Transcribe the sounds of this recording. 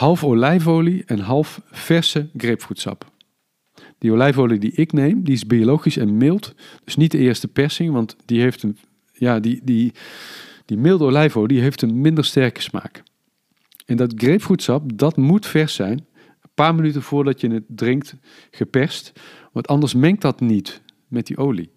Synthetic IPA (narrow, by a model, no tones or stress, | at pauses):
hɑlˠfolɛjvowliɛnɦɑlˠfːɛɹsəɡrejpfrutsɑ̰p | d̥ioːlɛjfowlidiʔɪknejmdiɪzbiolowχisɛnmɪlˠtd̥ɵsnit̚dəɪːɹstəpɛɹsɪŋʋɑntd̥iɦejftən | jaːdidi | d̥imɪlˠtolɛjfowdiɦejftənmɪndəɹstɛɹkə̥sma̰ːk | ɛndɑtxrejpfrutsɑp̚dɑtmutfɛɹsɛjn | ənpaːɹmənytənv̥ʊːɹdɑtjənətdrɪŋkt | χəpɛɹst | ʋɑntɑndəɹsmɛŋk̚tdɑtnit | mɛt̚diʔowlḭ